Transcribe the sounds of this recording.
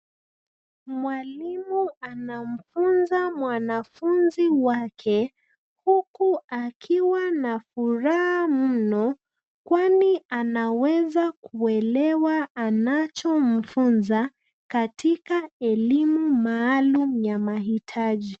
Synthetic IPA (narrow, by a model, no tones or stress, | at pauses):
mwalimuanam̩funzamwanafunziwakʰɛ | hukuakʰiwanafuɾahamm̩nɔ | kwaniʔanawɛzakuɛlɛwaʔːnat͡ʃɔm̩funza | katʰikaɛlimumaːlumjamaɦitʰaʄi